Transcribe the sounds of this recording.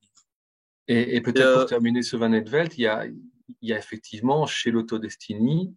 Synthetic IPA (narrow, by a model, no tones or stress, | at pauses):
eepøt̪ɛt̪t̪ɛʁminesəvãnɛd̪vɛlt̪ija̰ | ljaefɛk̚t̪ʰivmɑ̃ʃelot̪od̪ɛst̪ʰini